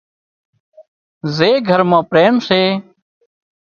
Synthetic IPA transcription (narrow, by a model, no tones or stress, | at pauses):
zeːɡʱəɾmãːpɾeːmseː